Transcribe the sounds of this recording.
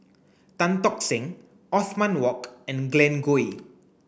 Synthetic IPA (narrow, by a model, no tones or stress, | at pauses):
t̪ãnt̪ɔksɪ̃ŋ | ʔɔθmãnwɔkɛ̃nɡlɛ̃nɡui